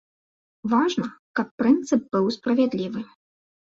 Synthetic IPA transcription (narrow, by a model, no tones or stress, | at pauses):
vaʐnɐkɐpːɾɨnt̪sɨp̚bɨwspɾɐvʲad̪lʲivɨ